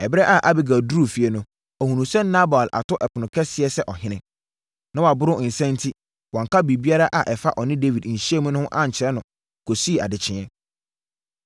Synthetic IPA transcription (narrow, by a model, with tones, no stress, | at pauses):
ɛ˨bɪ˦ɾɛ˦ʔa˨ʔa˦bɪ˨ɡa˨du˦ɾu˦˨fi˨e˨nʊ̃˦ | ɔ˨hũ˨nũ˨sɛ˦n˦nã˦ba˨lʔa̰˨tʰʊ˦ʔɛ˨pʰʊ˨nʊ̃˨kʰɛ˦sɪ˨ɛ˦sɛ˦ʔɔ˨ɦɪ̃˦nɪ̃˦ | nã˦wɔ˨a˨bʊ˦ɾʊ˦˨n̩˨sɛ̃˦n̩˦tʰi˦ | wɔ̃˨ŋ˨kʰa˦bi˨bi˦a˦ɾa˦ʔa˨ʔɛ˨fa˦ʔɔ˨nɪ̃˦de˦vi˨d̩˨ɕi˦ɛ˦mũ˦nʊ̃˦ʊ̃˦ʔã˦ɲ̩˨t͡ɕʰɪ˨ɛ˦nʊ̃˨ | kʰo˨si˦˨a̰˨dɪ˨t͡ɕʰɪ̃˨˦ɛ˦